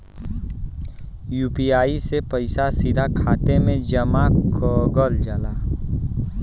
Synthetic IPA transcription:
juːpiaːisepɐɪsasɪd̪ʱakʰaːt̪emẽd͡ʒəmakɔɡəld͡ʒalaː

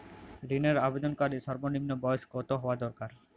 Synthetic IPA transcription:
ɾineɾabed̪onkaɾiʃɔɾbonimnobɔjoskot̪oɦɔoad̪ɔɾkaɾ

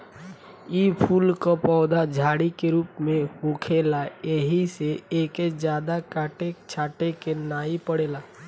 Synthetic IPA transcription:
ipʰuːlkopɔːd̪ad͡ʒʱaːɽikeɾuːpmẽhukʰeːlaeɦiseeːked͡ʒjaːd̪akaːʈet͡ʃʰaːʈekenaːipəɽeːlaː

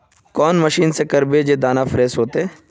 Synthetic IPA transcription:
kɔːnməʃiːnsekɐɾbed͡ʒeːd̪aːnafʰɾeːsɦoːt̪eɛː

